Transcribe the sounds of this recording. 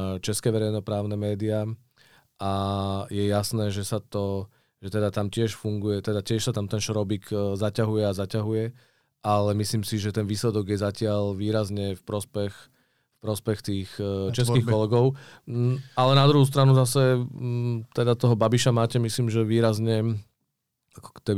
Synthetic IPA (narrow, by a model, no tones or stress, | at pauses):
t͡ʃɛskɛːʋɛɾɛjnɔpɾaːʊnɛmɛːd̪ia | ʔajɛjasnɛːʒɛsat̪ɔ | ʒ̥ɛt̪ɛd̪at̪amcɪɛʃfuŋɡujɛt̪ɛd̪acɪɛʃsat̪amt̪ɛnʃɾɔbikzacaɦujɛazacaɦujɛ | ʔalɛmisliːmsiʒɛt̪ɛnʋiːslɛd̪ɔɡjɛzacɪalʋiːɾazɲɛfpɾɔspɛx | fpɾɔspɛxt̪iːxt͡ʃɛs̬kiːxkkɔlɛɡɔʊ | alɛnad̪ɾuɦuːs̬t̪ɾanuzasɛ | t̪ɛd̪at̪ɔɦɔbabiʃamaːcɛmisliːmʒɛʋiːɾazɲɛ | akɔ̥kt̪ɛbi